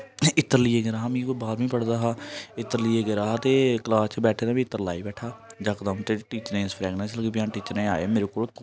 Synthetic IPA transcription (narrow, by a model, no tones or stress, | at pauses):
ɪt̪ːəɾliːeːɡeːɾaːɦaːmĩːkoːbaːɾʋĩːpəɽd̪aːɦaːɪt̪ːəɾliːeːɡeɾaːɦaːt̪eːkəlaːst͡ʃəbɛːʈʰeːd̪ãːbiːt̪ːəɾlaːiːbɛːʈʰaːd͡ʒaːkəd̪aːmt̪eʈiːt͡ʃəɾẽːspʰɾɛːɡnɛ̃ːsləɡeːbɪjãːʈiːt͡ʃəɾnẽːaːeːmeːɾeːkoːl